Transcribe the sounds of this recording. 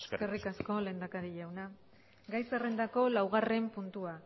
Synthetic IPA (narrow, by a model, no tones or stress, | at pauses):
sske̞rikasko̞le̞ːnd̪akaɾiʎawna | ɡajsare̞nd̪ako̞lawɣ̞are̞mpunt̪ua